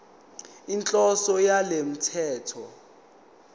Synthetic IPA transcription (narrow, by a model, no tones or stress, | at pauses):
int͡ɬʼɔsɔjalem̩tʰɛːtʰɔ